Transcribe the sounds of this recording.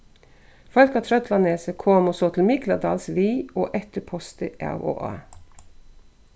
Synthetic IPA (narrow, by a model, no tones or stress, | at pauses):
fɑlkɑt̪ʰɾœt̪lɑneːsəkʰoːmosoːt̪ʰl̩mɪklɑd̪ɑːlsʋiːoːʔɛt̪əpʰɔst̪əʔæ̰wo̰ːʔɑ̰ː